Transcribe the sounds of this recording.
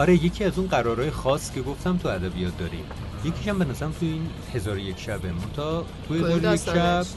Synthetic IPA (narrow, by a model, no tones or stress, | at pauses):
ɒɾeje̞cʲʰiæzunɢæɾɒːɾɒːjexɒːscʰʲe̞ɡoft̪æmt̪ʰuæd̪æbijɒːt̪̚d̪ɒːɾḭm | jecʰiʃæmbe̞næzæɾæmt̪ʰuiːn | he̞zɒːɾojecʰʃæbemont̪ʰɒːt̪ʰuhezɒːɾojekʃæb̥̚